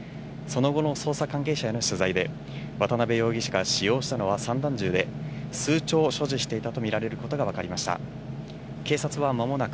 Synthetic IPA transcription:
so̞no̞ɡo̞no̞so̞ːsakãŋke̞ːɕajanoɕɨzaid̪e̞ | βat̪anabe̞jo̞ːɡʲiɕḁɡaɕijo̞ːɕi̥t̪ano̞βasãnd̪ãɲ̟d͡ʑɨːd̪e̞sɨːt͡ɕo̞ːɕo̞ʑiɕi̥t̪e̞it̪at̪o̞mʲiɾaɾe̞ɾɯ̟ko̞t̪o̞ɡaβakaɾʲimaɕi̥t̪a̰ | ke̞ːsat͡sɨβ̞amamo̞nak

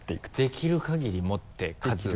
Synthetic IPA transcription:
e̥d̪̥e̞kʲʰiɾɯ̟kaɡʲiɾʲimo̞t̪ʰːe̞kʰazzɨ

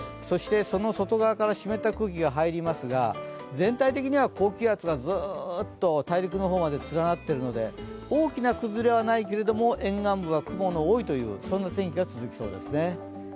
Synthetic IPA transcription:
so̞ɕi̥t̪e̞so̞no̞so̞t̪o̞ɡaβakaɾaɕime̞t̪ːakɯ̟ːkʲiɡaɦaiɾʲimasɨɡa̰ | d͡zẽ̞nt̪ait̪e̞kʲiɲ̟iβako̞ːkʲɨjat͡sɨɡazɨt̪ːo̞t̪aiɾʲik̬ɯ̟no̞ɦo̞ːmad̪e̞t͡sɨɾanat̪ːe̞ɾɯ̟no̞d̪e̞o̞ːkʲinakɯ̟zɨɾe̞β̞anaike̞ɾe̞d̪o̞mo̞ʔẽ̞ŋɡãmbɯ̟βakɯ̟mo̞noːit̪o̞jɯ̟̰ːsõ̞nːat̪ẽ̞ŋkʲiɡat͡sɨzɨkʲi̥so̞̰ːd̪e̞̰sɨne̞

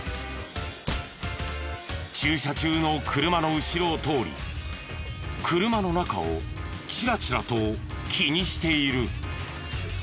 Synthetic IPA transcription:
t͡ɕɨːɕat͡ɕɨːno̞kʰɯɾɯ̟mano̞ɯ̟ɕiɾo̞t̪o̞ːɾʲḭ | kʰɯɾɯ̟mano̞naka̰o̞̰ | t͡ɕiɾat͡ɕiɾat̪o̞ | kʲʰiɲ̟iɕi̥t̪e̞iɾɯ̟

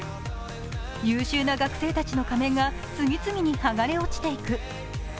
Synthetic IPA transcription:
jɨːɕɨːnaɡakɯ̟̥se̞ːt̪at͡ɕino̞kame̞ŋɡa | t͡sɨɡʲit͡sɨɡʲiɲ̟ihaɡaɾe̞o̞t͡ɕi̥t̪e̞ikɯ̟

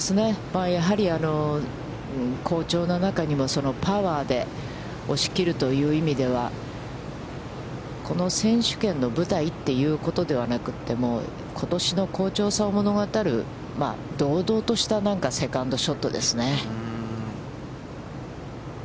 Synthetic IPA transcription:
esɨne̞maːjaɦaɾʲiano̞ | kʰo̞ːt͡ɕo̞ːnanakaɲ̟imo̞so̞no̞paβaːd̪e̞ | o̞ɕi̥kʲiɾɯ̟t̪o̞jɯ̟ːimʲid̪e̞β̞a̰ | kʰo̞no̞sẽ̞ɰ̃ɕɨ̥kẽ̞nːo̞bɯ̟t̪ait̪ːe̞jɯ̟ːko̞t̪o̞d̪e̞β̞anakɯ̟̥t̪ːe̞mo̞ː | kʰo̞t̪o̞ɕino̞ko̞ːt͡ɕo̞ːsaomo̞no̞ɡat̪aɾɯ̟ | ma̰d̪o̞ːd̪o̞ːt̪o̞ɕi̥t̪anãŋkase̞kãnd̪o̞ɕo̞t̪ːo̞d̪e̞sɨne̞

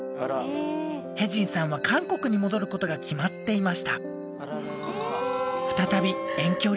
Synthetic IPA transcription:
heʑĩɰ̃sãɰ̃β̞akʰãŋko̞kɯ̟ɲ̟imo̞d̪o̞ɾɯ̟ko̞t̪o̞ɡakʲimat̪ːe̞imaɕi̥t̪a | ɸɯ̥t̪at̪abʲiẽ̞ŋkʲo̞ː

